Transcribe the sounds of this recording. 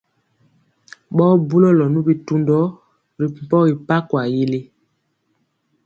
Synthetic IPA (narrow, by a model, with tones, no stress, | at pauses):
ɓɔː˦bu˦lɔ˦lɔ˨nu˦bi˨tu˦ndɔ˦ | ɾi˨m˨pɔ˦ɣi˨pa˦kwa˨ji˦le˦